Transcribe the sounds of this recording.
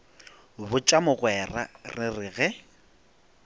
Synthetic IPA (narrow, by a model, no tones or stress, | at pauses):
bʊt͡ʃʼamʊɣwɛra̰rɪrɪɣɛ